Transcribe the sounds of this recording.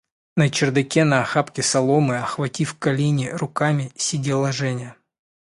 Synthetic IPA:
nət͡ɕɪrd̪ɐkʲenɐɐxapkʲɪsɐlˠomɨɐxvɐtʲifkɐlʲenʲɪrʊkamʲɪsʲɪdʲelˠɐʐɛnʲə

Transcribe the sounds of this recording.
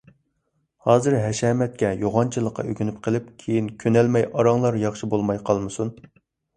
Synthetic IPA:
hɑːzɨɾɦɛʃɛmɛt̪̚kʲɛjoʁɑnt͡ʃʰilˠəqːɑ̰ʔøɡʲynyp̚qʰəlˠɪp̚kʲʰejinkʲʰønɛlmɛjʔɑɾɑŋlˠɑɾjɑχʃibolˠmɑjqʰɑlˠmɨsun

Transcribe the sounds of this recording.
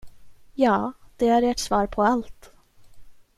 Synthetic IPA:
jɑːd̪̥ɛæɾeːʈsvɑːɾpʰɔalt̪

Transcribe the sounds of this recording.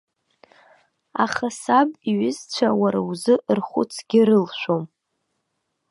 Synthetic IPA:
a̰χasabiɥɪzt͡ɕʷʰawaɾawzɨʔrχʷʊ̰t͡sʰɡ̥ʲɪɾɨlʃʷᶣom

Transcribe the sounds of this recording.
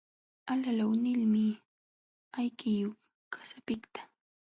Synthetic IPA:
alalawnɪlmɪ | ajkɪjoχ | kḁsapɪkt̪ḁ

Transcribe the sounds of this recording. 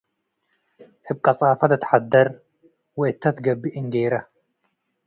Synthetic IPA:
ʔɨb̚kʼɐsʼaːfɐd̪ɨt̪ʰħad̪ːɐɾ | wɛɪt̪ːɐt̪ɡɐbːiʔɨnɡejɾɐ

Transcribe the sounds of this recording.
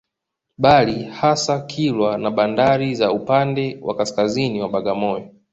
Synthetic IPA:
ɓalihasakʰilwanaɓandaɾizaupandɛwʔa̰kaskaziniwaɓaɠamɔjɔ

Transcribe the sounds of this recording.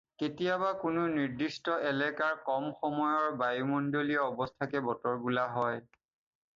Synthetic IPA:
ketijabakʊnʊniɹdistɔʔɛlɛkaɹkɔmxɔmɔjɔɹbajumɔndoliɔɔbɔstʰakɛbɔtɔɹbulaɦɔj

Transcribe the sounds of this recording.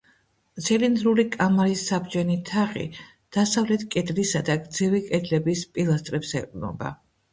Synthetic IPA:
t̪sʰɛlind̪ɾulikʼamaɾisːabd͡ʒɛnit̪ʰaχḭ | d̪̥asavlɛt̪ʰkʼɛd̪lisad̪aɡd̪zɛvikʼɛd̪lɛbispʼilˠast̪ʼɾɛpsɛ̰qʼnɔ̰ba̰

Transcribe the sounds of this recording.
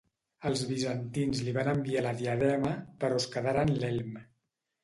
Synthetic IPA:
əlˠzβizənt̪inzliβanəmbialəðiəðɛməpəɾɔoskəðaɾanlɛlm

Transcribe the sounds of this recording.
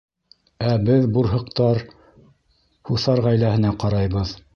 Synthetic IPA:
æbɘðbuɾɦɤ̆qt̪ɑɾ | huθɑɾʁæjlæhɘ̆næqɑɾɑjβɤð

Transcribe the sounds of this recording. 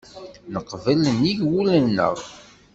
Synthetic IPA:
nəqvələniʝwulənːə̰ʁˤ

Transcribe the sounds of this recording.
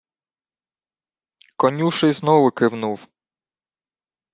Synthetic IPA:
kɔnʲuʃɪjznɔwʊkɪwnuw

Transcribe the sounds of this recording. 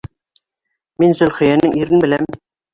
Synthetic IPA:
minzɵ̆lχɘ̆jænɘŋiɾɘnbɘ̆læm

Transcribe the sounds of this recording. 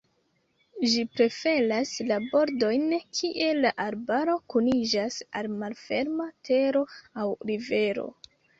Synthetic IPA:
d͡ʒipɾe̞fe̞laslabo̞ɾdo̞jnkʰiʔe̞laʔaɾbaɾo̞kunid͡ʒasalmalfe̞ɾmatʰe̞ɾo̞awɾive̞ɾo̞̰

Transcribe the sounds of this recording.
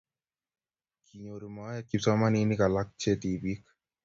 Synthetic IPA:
kʰiɲoɾumajakipsɔmaninikalak̚t͡ʃet̪ibik

